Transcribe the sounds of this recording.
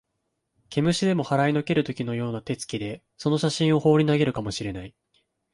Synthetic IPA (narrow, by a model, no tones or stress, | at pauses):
kʲʰe̞mɯ̟ɕid̪e̞mo̞haɾaino̞ke̞ɾɯ̟t̪o̞kʲino̞jo̞ːnat̪e̞t͡sɨ̥kʲid̪e̞ | so̞no̞ɕaɕĩɰ̃o̞ho̞ːɾʲinaɡe̞ɾɯ̟kamo̞ɕiɾe̞nai